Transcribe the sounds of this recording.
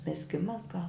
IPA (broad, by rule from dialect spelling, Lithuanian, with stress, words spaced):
mʲɪzʲˈɡʲɪmɐs ɡɐlˠ